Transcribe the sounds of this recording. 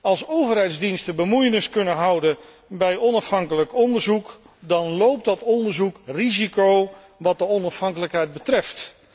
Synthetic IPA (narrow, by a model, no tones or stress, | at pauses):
ɑlˠsowvərɦɛjdzdinstəbəmujənɪskɵnənɦʌwdən | bɛjɔnɑfɦɑŋkələkɔndəɹzuk | dɑnlowp̚tdɑtɔndəɹzukrizikow | ʋɑt̚dəɔnɑfɦɑŋkələkɦɛjd̚bətrɛft